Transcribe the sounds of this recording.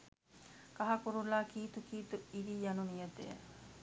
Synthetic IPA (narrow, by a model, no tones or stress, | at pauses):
kaɦakuɾulaːkiːt̪ukiːt̪uiɾijanunijət̪ḛjə̰